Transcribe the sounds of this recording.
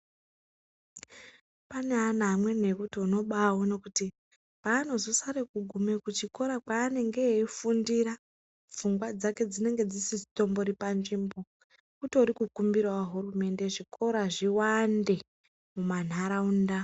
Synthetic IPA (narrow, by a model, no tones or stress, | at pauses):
paneanamwe̞n̤e̞kutono̞ɓawono̞kuti | paːno̞zo̞saɾekuɡʱume̞kut͡ʃiko̞ɾakwaːne̞ŋɡe̞ifundiɾa | p͡fuŋɡwad͡zake̞d͡zine̞ŋɡe̞d͡zisisito̞mboɾipanʐiːmbo̞ | kutoɾikukumbirwawaɦurume̞nde̞ʐikʰo̞ɾaʐiwande̞ | muman̤aɾaunda